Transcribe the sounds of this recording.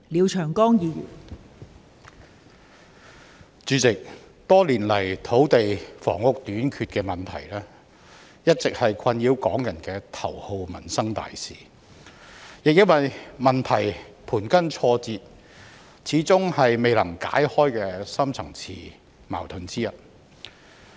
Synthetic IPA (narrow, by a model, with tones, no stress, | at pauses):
liː˨˧wt͡ʃʰœː˨˩ŋkɔː˥ŋjiː˧jy̰ː˨˩n | t͡syː˨˥t͡sɪ˨k̚ | t̪ɔː˥liː˨˩nlɐ˨˩jt̪ʰo˨˥wt̪e˨jfɔ̰ː˨˩ŋːʊ˨˧k̚t̪yː˨˥nkʰyː˧t̚kɛː˧mɐ˨˩nt̪ʰɐ̰˨˩jlɛː˥ | jɐ˥t̚t͡sɪ˨k̚hɐ˨jkʷʰɐ˧njiː˧wkɔː˨˥ŋjɐ˨˩nkɛː˧t̪ʰɐ˨˩who˨˧wmɐ˨˩nsɐ˥ŋt̪a̰ː˨jsḭː˨ | jɪ˨k̚jɐ˥nwɐ˨jmɐ˨nt̪ʰɐ˨˩jpʰuː˨˩nkɐ˥nt͡sʰɔː˧t͡siː˨˧t̚ | t͡sʰiː˨˥t͡sʊ˥ŋhɐ˨jme˨˧jlɐ˨˩ŋka̰ː˨˥jhɔː˥jkɛː˧sɐ˥mt͡sʰɐ˨˩ŋt͡sʰiː˨˩ | ma̰ː˨˩wt̪ʰɵ˨˧nt͡siː˥jɐ˨t̚